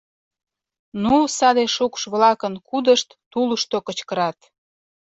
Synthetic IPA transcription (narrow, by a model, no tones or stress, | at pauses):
nusɑd̪eʃukʃβlɑkənkud̪əʃt̪ːuləʃt̪okə̆t͡ɕkəɾɑt̪